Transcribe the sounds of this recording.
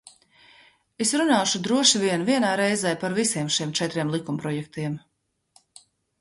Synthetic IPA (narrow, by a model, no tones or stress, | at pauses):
esɾunaːʃud̪ɾuɔʃiviɛnviɛnaːɾɛjzɛjpaɾvisiɛmʃiɛmt͡ʃɛt̪ɾiɛmlˠikumpɾɔjɛk̚t̪iɛm